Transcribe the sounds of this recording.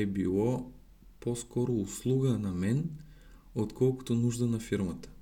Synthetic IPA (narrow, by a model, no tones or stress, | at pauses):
ɛbilˠɔ | pɔskɔɾouslˠuɡanamɛn | ot̪kʰɔlˠku̥t̪onuʒd̪anafiɾmat̪ḁ